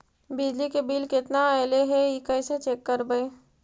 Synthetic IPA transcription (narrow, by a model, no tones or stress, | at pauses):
bɪd͡ʒlikebiːlkɪt̪naɛːleɦɛikəɪset͡ʃeːkːəɾbəe